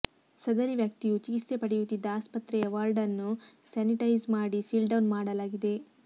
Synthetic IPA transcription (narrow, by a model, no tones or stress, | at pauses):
sɐd̪ɐɾiʋjɐk̚t̪ijut͡ʃikist̪e̞pɐɽejut̪ːid̪ːɐaːspɐt̪ɾɛjɐʋaːɾɖɐnːu | saːniʈɐjzmaːɽisilɖɐwnmaːɽɐlaːɡid̪e̞